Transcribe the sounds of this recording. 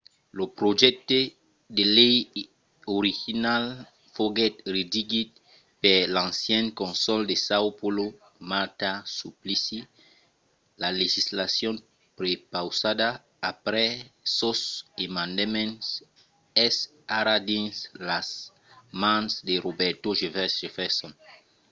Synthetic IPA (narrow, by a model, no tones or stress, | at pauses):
lopɾoʒɛk̚t̪e | d̪elɛj | oɾixinal | foɡɛt̪ɾed̪iɡit̪̚ | pelãnsjɛ̃ŋkõnsɔld̪esawpolo | maɾt̪asuplisi | laleʒislasjɔ̃n | pɾepawsad̪aː | pɾɛsosemãnd̪emɛ̃ns | ɛs | aɾad̪ĩnslas | mãnsdeɾobɛɾt̪oʒevɛʒefɛsɔ̃n